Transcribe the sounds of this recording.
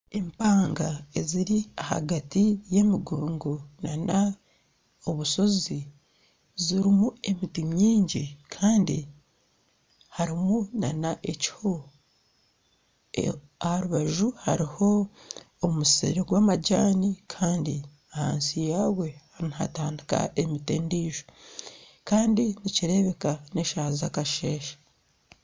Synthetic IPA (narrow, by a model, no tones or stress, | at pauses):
e̞mpaːŋɡae̞ziɾiaha̰ɡatije̞miɡoːŋɡonana | oβuso̞zi | ziɾimue̞mitimɲiːɲɟikʰaːndḭ | haɾimunanaʔeci̥ho | ahaɾuβaʒuha̰ɾiho̞ː | musḭɾeɡwaːmaɟaːnikʰaːndi | aha̰ːnsijaːwe̞haɾiniha̰taːndika̰ʔe̞miteːndiːʒo̥ | kaːndiniciɾe̞βe̞kane̞ʃaːzakaʃe̞ːʃḁ